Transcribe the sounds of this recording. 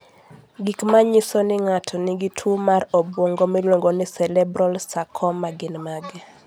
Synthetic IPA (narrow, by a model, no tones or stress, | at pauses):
ɡikmaɲɪsɔnɪŋatʰɔnɪɡitʰumaɾɔbwoŋɡomilwoŋɡonɪsɛlɛbɾɔlsakʰɔmaɡɪnmaɡɛ